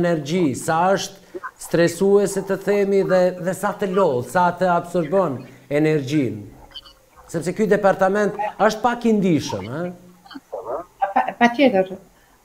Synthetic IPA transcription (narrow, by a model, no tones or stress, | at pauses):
nɛɾd͡ʑisaəʃt̪ | st̪ɾɛsuɛsɛt̪əθɛmiðɛðɛsat̪əlɔlˠsat̪əabsɔɾbɔnɛnɛɾd͡ʑin | sɛpsɛkyd̪ɛpaɾt̪amɛnt̪əʃt̪̚pakind̪iʃə̰mɛ | apat̪jɛt̪əɾ